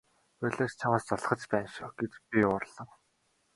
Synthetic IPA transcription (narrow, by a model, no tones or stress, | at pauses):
pœɮaːt͡ɕt͡ɕʰawaːst͡sɔɮ̆χə̆t͡ɕpæːnʃʊːɡet͡ɕ̪pʲiʊrɮə̆ŋ